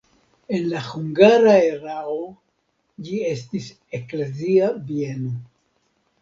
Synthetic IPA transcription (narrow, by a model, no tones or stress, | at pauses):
e̞nlahuŋɡaɾaeɾao | d͡ʒie̞stis | e̞kle̞ziabie̞no̞